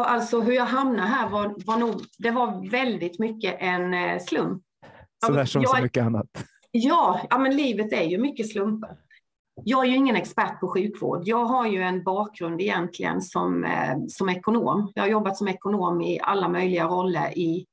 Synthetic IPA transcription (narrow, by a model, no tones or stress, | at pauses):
ʔalt̪sɔɦɵɾjɑɦamnaɦæːɾvavaɳuːɡd̪ɛvaɾvɛld̪ɪt̪mʏkːəʔɛnslɵmpː | ɔd̪æːʂɔmɑːmʏkːəanːa̰t̪ | jɑːɑmɛnliːvət̪æɾjɵmʏkːəslɵmpəɾ | jɑːɡæɾjɵɪŋːənɛkspæʈ̚pʰɔɧʉ̟ːkvo̰ːɖjɑːɡɦaɾjɵɛnbɑːk̚ɡɾɵnd̪ɪjɛnt̪ʰlɪɡə̰nsɔ̰msɔmɛkʊno̰ːmjɑ̰ːhaɾjɔbːat̪sɔmɛkʊnoːmɪ̰ʔa̰lːamœjlɪɡaɾɔlːə̰ɾɪ